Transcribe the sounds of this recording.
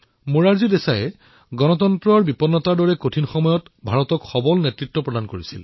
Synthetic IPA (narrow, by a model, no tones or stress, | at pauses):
muɹaɹzidesajɛ̰ | ɡɔnɔtɔntɹɔɹbipɔnːɔtaɹdɔɹɛkotʰinxɔmɔjɔtbʱaɹɔtɔkxɔbɔlnetɹitːɔpɹɔdankoɹisil